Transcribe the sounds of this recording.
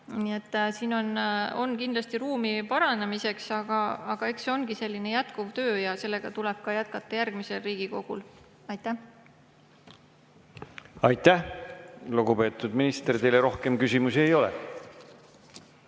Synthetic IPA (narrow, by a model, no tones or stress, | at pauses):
niːe̞t̪ːˑsiːno̞no̞̰nkind̪lɑst̪iɾuːmipɑɾɑnemise̞ksɑɡ̥ɑɑɡ̥ɑekso̞nɡ̥ise̞lʲːinejæt̪kuvt̪ø̞ːjɑse̞lːe̞ɡ̥ɑt̪uleb̥̚kɑjæt̪̚kɑt̪ːɑjærɡ̥mise̞lriːɡ̥iko̞ɡ̥ul | ɑjt̪ːˑæh | ɑjt̪ːˑæh | luɡupe̞ːt̪ːˑud̪̥minist̪eɾt̪e̞jleɾo̞hke̞mkysʲimusiejo̞lɛ̰